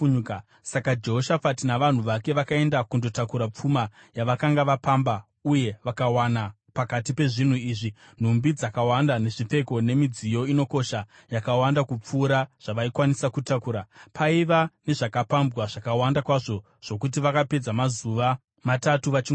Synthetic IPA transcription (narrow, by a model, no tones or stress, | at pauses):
sakad͡ʒe̞ɦoʃafatinaʋan̤uʋake̞ʋakae̞ndakundo̞takuɾap͡fuma | jaʋakaŋɡaʋapamba | uje̞ʋakawana | pakatipe̞ʐin̤uiːʐi | n̤umbid͡zakawandane̞ʐife̞ko̞ne̞mid͡zijo̞ino̞ko̞ʃa | jakawandakup͡fuːɾaʐ̥aʋaikwanisakutakuːɾapʰaiʋane̞ʐakapambwaʐ̥akawandakwaʐo̞ | ʐ̥o̞kut̬iʋakape̞d͡zamazuʋa | matatuʋat͡ʃiɡ